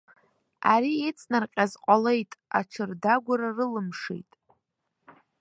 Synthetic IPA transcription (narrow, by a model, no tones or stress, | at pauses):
a̰ɾiet͡sʼnarqʲʼazqʷʼale̞jtʼa̰ʈ͡ʂʰɨrdaɡʷaɾarɨlɨmʂḭjtʼ